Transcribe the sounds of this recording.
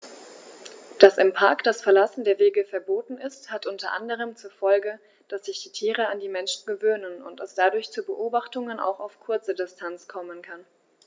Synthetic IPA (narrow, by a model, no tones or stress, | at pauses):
d̥asɪmpʰaɐkd̥asfɛɐlasn̩deːɐveːɡəfɛɐboːtn̩ɪsthatʔʊntɐʔa̰ndəʁ̞əmt͡suːɐfɔlɡə | d̥asz̥ɪçd̥iːtʰiːʁ̞əandiːmɛnʃn̩ɡəvøːnənʊ̰ntɛsd̥adʊɐçt͡suːbəʔoːbaχtʊŋənʔa̰ʊxaʊfkʰʊɐt͡sədɪstʰant͡skʰɔmənkʰan